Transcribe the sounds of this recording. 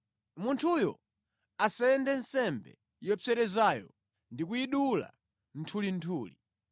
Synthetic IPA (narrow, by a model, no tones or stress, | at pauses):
muntʰujɔ̰ | asaɛndɛnsɛmbɛ̰ | jɔfʰɛɾɛzajɔ | ndik̬uiɗula̰ | n̩tʰulintʰuːli